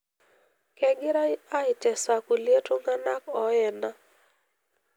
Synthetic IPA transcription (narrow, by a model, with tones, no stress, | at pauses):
kɛ˨ɡi˦ɾa˦i˦a˦i˨tɛ˨sa˨ku˨li˦e˦tu˦ŋɡa˦na˦kɔ˦jɛ˨na˦